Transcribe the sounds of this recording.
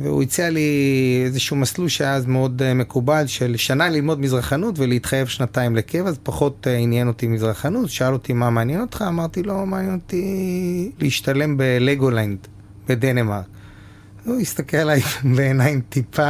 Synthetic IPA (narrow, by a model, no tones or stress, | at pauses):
vḛṵit͡sialiezeʃumasluʃeazmeo̞dme̞kubalʃelʃanalilmo̞dmizʁaχanutveleit̪χajevʃnataimlekevazpaχo̞t̪injeno̞t̪imizʁaχanutʃoalo̞t̪imamaːnjeno̞t̪χaːmaʁt̪ilo̞maːnjenot̪i | leiʃtale̞mbeleɡoland | b̥ed̪enemaʁk | uist̪akellajleːnaimtipʰa